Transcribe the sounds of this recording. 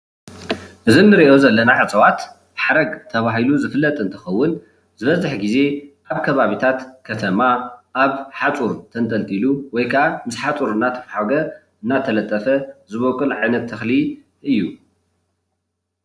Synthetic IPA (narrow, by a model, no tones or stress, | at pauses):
ʔɨzinːɨɾiʔo̞zɐlːɐnaʕɨt͡sʼɐwat̪ | ħaɾɐɡt̪ʰɐβaɦiluzɨfɨlːɐt̪ʼɨnt̪ʰɐxɐwːʊn | z̥ɨβɐzɨħɡize̞ʔaβkʰɐβaβit̪ʰat̪kʰɐt̪ʰɐmaʔaβħat͡sʼuɾt̪ʰɐnt̪ʼɐlt̪ʼiluwɔjkʰɐʔamɨsħat͡sʼuɾɨnːat̪ʰɐ̥fħaɡɐ | ʔɨnːat̪ʰɐlɐt̪ʼːɐfɐzɨβokʼɨlʕajnɐt̪ʰːɐxli | ʔɨjːu